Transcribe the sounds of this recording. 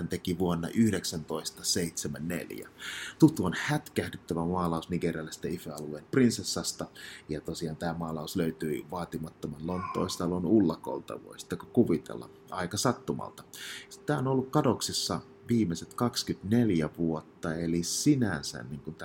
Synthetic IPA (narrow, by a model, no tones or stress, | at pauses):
nt̪ekiʋuonːɑ̰ʔyhɾeksænt̪oist̪ɑseit̪semænnḛljæ̰t̪ut̪uonhæt̪kæhdyt̪ːæʋæmɑːlɑusniɡeriɑlːist̪æifeɑlueːnprinsesːɑst̪ɑjɑt̪osiɑːnt̪æːmɑːlɑusløyt̪yiʋɑːt̪imɑt̪ːomɑnlont̪ˑo̰ˑist̪ɑlonulːɑko̰lt̪ɑ̰ʋo̰isi̥t̪ːekokuʋit̪ḛlːɑ̰ | ɑikɑsɑt̪ːumɑ̰lt̪ɑt̪æːonolːukkɑdoksisːɑ | ʋiːmːeset̪kɑkskyt̪neljæʋuot̪ːɑelisinæsæ̰nniːŋkunt̪